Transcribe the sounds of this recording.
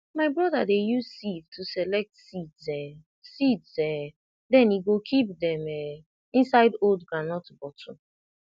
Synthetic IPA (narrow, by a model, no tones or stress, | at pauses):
maɪbɹɔdadejussivtʰusɛlɛk̚tsidzɛ | sidsɛ | dɛ̃niɡokʰip̚dɛ̃mɛ | ĩnsaɪdoldɡɹanɔtbɔtʰɔ̃